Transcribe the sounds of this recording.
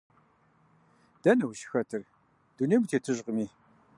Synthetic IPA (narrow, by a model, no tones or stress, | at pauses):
d̥ɐnɐwʃxɐtʰɨr | d̥uneːmtʰeːtʰɨʑqəmiː